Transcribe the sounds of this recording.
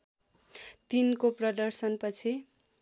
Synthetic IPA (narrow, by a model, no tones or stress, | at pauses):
t̪inkoprʌd̪ʌrsʌnpʌt͡sʰi